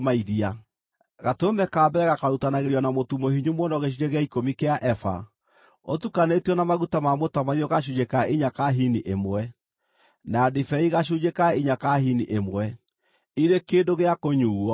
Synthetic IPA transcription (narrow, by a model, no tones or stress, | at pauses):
maiðia | ɣatomɛkaːbɛɾɛɣakaɾutanaɣeɾiɔnamotumohiɲumɔnɔɣeʃ̬iɲeɣeaikomikeaʔɛfa̰ | otukanetiɔnamaɣutamamotamaiɔɣaɕ̬uɲekaiɲakaɦiniʔemwɛ | nadifɛiɣaɕ̬uɲekaiɲakaɦiniʔemwɛ | iɾekeːndoɣeakoɲuːɔ